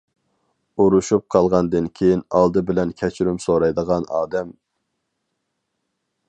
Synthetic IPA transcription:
uɾuʃup̚qʰɑlˠʁɑnd̪ɨnkʲʰejinɑlˠd̪ɨbɪlɛnkʲʰɛt͡ʃʰɾymsoɾɑjd̪əʁɑnɑːd̪ɛm

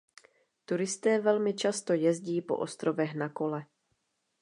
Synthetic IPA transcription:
t̪uɾɪst̪ɛːvɛlmɪt͡ʃast̪o̞jɛzɟiːpo̞̰ʔo̰st̪ɾo̞vɛxnako̞lɛ

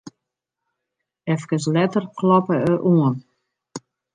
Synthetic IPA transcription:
ɛfkəs̬lɛtərkʰlɔpəəʔuən

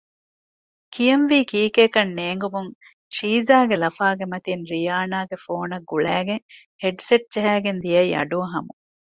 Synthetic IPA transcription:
kijɐnʋiːkiːkeːkɐnːeːŋɡumuŋ | ʃiːzaːɡelɐfaːɡemɐt̪inɾijaːnaːɡefoːnɐɡːuɭæːɡeŋ | heɖseʈ̚d͡ʒɐɦæːɡend̪ijɐiɐ̰ɖuɐɦɐmu

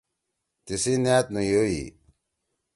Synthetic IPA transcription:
t̪isinaːt̪̚nujoi

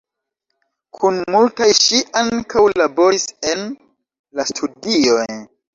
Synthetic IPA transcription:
kʰunmultajʃiʔaŋkawlabo̞ɾise̞n | lastʰudio̞j

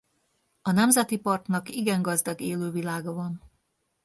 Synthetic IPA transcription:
ɒnɛmzɛt̪ipɒrt̪nɒkiɡɛŋɡɒzd̪ɒɡeːløːvilaːɡɒvɒn

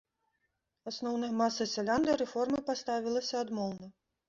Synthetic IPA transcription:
asnɔwnɐjɐmasːɐsʲɛlʲand̪ɨɾɛfɔrmɨpast̪avʲilˠɐsʲɐad̪mɔlˠnɐ

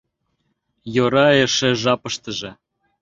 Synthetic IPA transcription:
joɾɑeʃĕʒɑpɤ̆ʃt̪ə̆ʒĕ

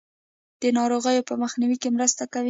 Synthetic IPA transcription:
d̪̥ənɑɾoɣəjopəməxniwikemɾəst̪akawi

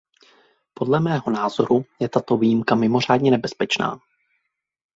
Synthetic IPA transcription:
po̞dlɛmɛːɦo̞naːzo̞ɾujɛt̪at̪o̞viːjimkamɪmo̞r̝aːdɲɛnɛbɛspɛt͡ʃna̰ː

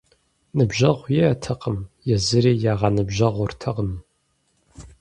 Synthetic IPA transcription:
nɨbʒɐʁʷjɛɐtʰɐqəmjɛzɨɾiːjaːʁɑnɨbʑɐʁʷʊrtʰɐʁəm

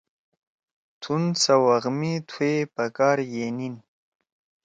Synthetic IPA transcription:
t̪ʰunsawaɣmit̪ʰwepakɑːɾjenin

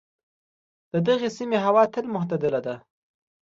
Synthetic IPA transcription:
d̪̥əd̪aɣesimeɦawɑt̪ɪlmʊht̪ad̪əlad̪a

